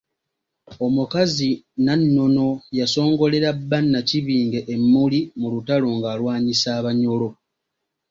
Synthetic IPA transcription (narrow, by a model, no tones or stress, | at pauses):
o̞mukazi | nanːo̞no̞jaso̞ːŋɡo̞le̞ɾabːanːaciβiːŋɡe̞ʔemːulimulutalo̞ŋɡaːlwaːɲisaːβaɲo̞lo̞